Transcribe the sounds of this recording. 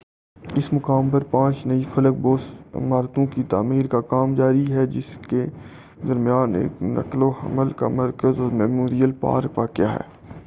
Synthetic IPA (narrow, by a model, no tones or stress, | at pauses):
ɪsmʊkaːmpɐɾpãːt͡ʃnɐifʰɐlək̚boːsɪ̰maːɾt̪õkit̪aːmiːɾkakaːmd͡ʒaːɾiɦɛd͡ʒɪske | d̪ɐɾmɪjaːnḛːknɐ̰kloɦɐ̰məlka̰mɐɾkəzɔːɾmɛmoːɾijəlpa̰ːɾkʋakjaɦɛ̰ː